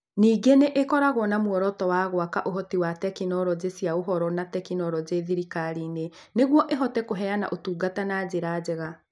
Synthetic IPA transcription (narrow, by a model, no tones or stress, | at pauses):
niːɡeneʔekɔɾaɣɔnamwɔɾɔtɔwaɣwakaʔoɦɔtiwatɛkinɔɾɔd͡ʑesjaoɦɔɾɔnatɛkinɔɾɔd͡ʑeðiɾikaɾiːne | neɣwɔʔeɦɔtɛkoɦɛjana̰ʔotuːɡatanaːd͡ʑeɾad͡ʑɛɣa